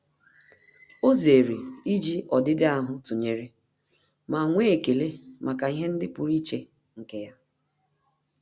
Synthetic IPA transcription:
o˦ze˨ɾi˨i˦d͡ʒi˦ʔɔ˨dɪ˦dɪ˦a˦ɦʊ˦tʊ˨ɲe˨ɾe˦ | ma˨ŋʷe˦˨ke˨le˦ma˨ka˨i˦ɦe˦n̩˦dɪ˦pʊ˨ɾi˦t͡ʃe˦ | ŋ̩˨ke˦ja˦

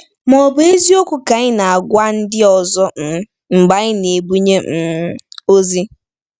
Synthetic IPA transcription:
mɔ˨bʊ˦e˦zi˦o˦kʷʊ˨ka˨ɲɪ˦na˨a˨ɡʷa˦n̩˦dɪ˦ɔ˨zɔ˦m̩˨˦ | ŋ͡m̩˨ɡ͡ba˨ɣɪ˦ne˨bu˦ɲe˦m̩˨o˦zi˦

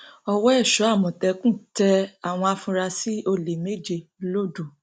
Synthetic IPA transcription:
ɔ˧wɔ˦ɛ˦˨ʃɔ˨˦a˦˨mɔ̃˨tɛ˧kũ˦˨tɛ˧a˨w̃ɔ̃˧a˧fũ˧ɾa˧si˦o˧le˨me˦d͡ʒe˧˨lo˦du˦˨

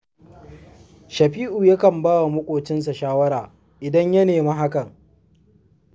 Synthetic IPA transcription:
ʃɐ˨ɸiː˦ʔu˨jɐ˦kɐ˨mbaː˦wa˨mʊ˦kʷʼoː˨t͡ʃɪ˦ns̬a˨ʃaː˦wɐ˦ɾaː˨ | ʔɪ˨dɐ˦ɲjɐ˦neː˨ma˦ɦa˦kɐ˨ŋ

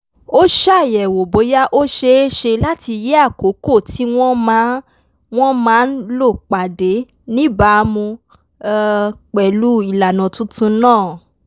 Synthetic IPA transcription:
o˦ʃa˦˨jɛ˨wo˨bo˨˦ja˦ʔo˦ʃe˧e˦ʃe˧la˦ti˧je˦a˦˨ko˨˦ko˦˨tʰi˨˦w̃ɔ̃˦m˦ | w̃ɔ̃˦mãː˨˦n̩˦lo˦˨k͡pa˨de˨˦ | nĩ˦ba˧mũ˧ | k͡pɛ˨lu˦i˦˨la˨nã˨tũ˦tũ˧nãː˦˨

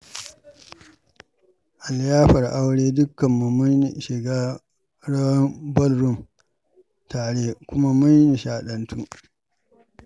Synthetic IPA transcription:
ʔa˨ljaː˦ɸɐ˨rʔa˦wɽeː˦dʊ˦kːɐ˨mːu˨mʊ˦n˨ʃɪ˨ɡaː˦ | ɽɐ˦wɐ˦mbɐ˦lɾʊ˦m | taː˨ɽeː˦kʷʊ˦ma˦mʊ˦nni˨ʃaː˨ɗɐ˨ntu˦

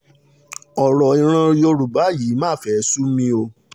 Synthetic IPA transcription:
ɔ˨ɾɔ˨ĩ˧ɾ̃ã˧jo˧ɾu˨ba˨˦ji˨˦mãː˦˨fɛ˦su˦mĩ˧o˧

